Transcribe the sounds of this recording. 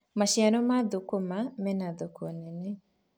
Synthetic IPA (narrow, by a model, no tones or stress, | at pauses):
maʃianɔmaðokomamɛnaðokonɛnɛ